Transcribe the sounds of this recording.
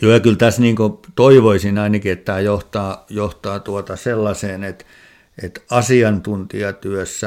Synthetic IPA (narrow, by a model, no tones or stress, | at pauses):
joːjɑkylt̪æsniːŋkot̪oiʋoisinɑinɑkiet̪tːæːjoht̪ɑːjoht̪ɑːt̪uot̪ɑselːɑseːnet̪ | et̪ɑsiɑnt̪unt̪iɑt̪yøsːæ